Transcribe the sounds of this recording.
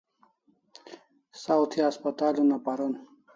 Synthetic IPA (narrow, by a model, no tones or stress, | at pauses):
sawt̪ʰiaspɐt̪aːlunapaɾun